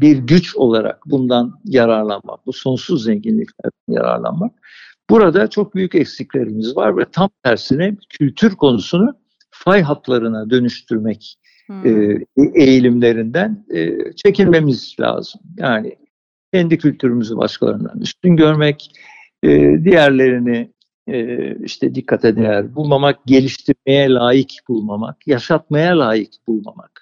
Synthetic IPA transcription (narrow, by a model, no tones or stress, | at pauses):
biɾɟyt͡ʃo̞lˠaɾa̰k̚bund̪anjaɾaɾlˠanma̰k̚buso̞nsuzːɛɲɟinlʲiclʲæ̰ɾd̪ænja̰ɾa̰ɾlˠa̰nmak̚ | b̥uɾad̪at͡ʃʰo̞k̚byjycɛcsiclʲe̞ɾimizva̰ɾvɛt̪ʰamt̪ʰæɾsinɛbcʰylʲt̪ʰyɾkʰo̞nusunu | fajɦat̪lˠaɾɯnad̪ø̞nyʃt̪ʰyɾmɛcː | ejilʲimlʲe̞ɾind̪ænːt͡ʃʰe̞cilʲme̞mizlʲa̰ːz̥ɯmjaːnɪ̰ | cʰɛnd̪icʰylʲt̪ʰyɾymyzyba̰ʃkʰalˠa̰ɾɯnd̪a̰ny̰st̪ynɟø̞ɾmɛc | ɛːd̪ijæɾlʲe̞ɾinɪː | ḭʃt̪ʰɛd̪ikʰːat̪ʰɛd̪ejæɾbulˠmamak̚ɟe̞lʲiʃt̪ʰiɾme̞jɛlʲaːjicb̥ulˠmama̰kjaʃat̪̚majalʲaːjicbulˠma̰ma̰k